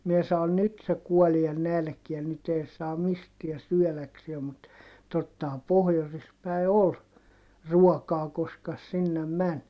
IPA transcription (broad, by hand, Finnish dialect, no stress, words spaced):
mie sɑon nyt se kuɔlie nælkiæn nyt ei se mistiæ syœˑlɑksie mut totːɑhɑm pohjosis pæi̯ ol ruɔkɑː koskɑ s sinːem mæn